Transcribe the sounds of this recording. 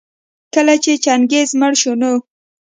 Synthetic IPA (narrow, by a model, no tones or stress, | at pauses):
kəlat͡ʃet͡ʃanɡezməɽʃono